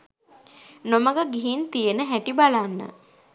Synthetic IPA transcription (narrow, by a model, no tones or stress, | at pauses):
noməɡəɡiɦint̪ijənəɦæʈibalanːə̰